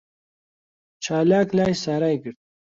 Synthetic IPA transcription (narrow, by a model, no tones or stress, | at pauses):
t͡ʃʰaːlaːklaːjsaɾajɡəɾt̪̚